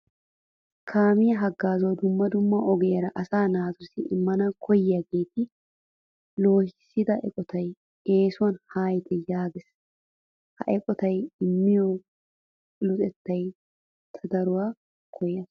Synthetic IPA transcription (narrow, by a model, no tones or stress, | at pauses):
kʰaːmɪjɐɦɐɡːaːzod̪ʊmːɐd̪ʊmːɐʔɔɡɛːɾɐʔɐsaːnaːt̪ʊsɪɪ̰mːɐnɐkʰɔjɪjɐɡeːt̪ɪ | lo̞ːhɪsːɪd̪ɐʔɛ̰kʼɔt̪ʰɐj | eːsʊwɐnhaːjt̪ʰɛjaːɡɪs | hɐ̰ʔɛkʼɔt̪ɐjɪmːɪjɔ | lʊt̪ʼɛt̪ːɐj | t̪ʰɐd̪ɐɾʊwaː | kʰɔjɐs